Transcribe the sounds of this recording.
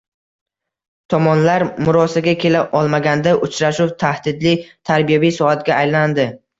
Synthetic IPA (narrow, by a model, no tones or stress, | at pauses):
t̪ʰɒmɒnlaɾmʊɾɒsaɡʲakʲʰe̞laʔɒlˠmaɡʲand̪aʔʊt͡ʃʰɾaʃuwt̪ʰahd̪ɪd̪lɪt̪ʰaɾbijabijsɒhat̪ɡʲaːjland̪ɪ